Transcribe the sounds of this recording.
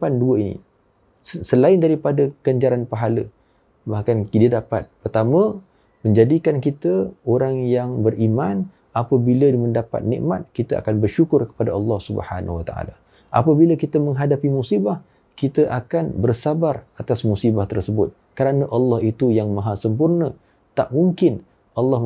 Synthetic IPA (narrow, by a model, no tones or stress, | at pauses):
panduəinḭ | səlaɪndaɾipadaɡ̥aɲd͡ʒaɾanpaɦalə | bahkandiədapa̰t̪̚pərt̪amə̃ | mə̃ɲd͡ʒadikankit̪əoɾaŋjaŋbərʔiman | apəbiləməndapa̰t̪̚nḭ̃ʔmat̪̚kit̪əʔa̰kanbərʃukʊrkə̥padaʔɑlːɑhsubə̰ha̰nwat̪a̰ʔa̰la | ʔa̰pəbiləkit̪əmə̃ŋɦadapimusibah | kit̪əʔakanbərsabarat̪asmusibaht̪ərsəbʊt̪̚ | kəɾanəʔɑlːɑhit̪ujaŋmãɦasəmpurnə̃ | t̪aʔmuŋkɪn | ɑlːɑ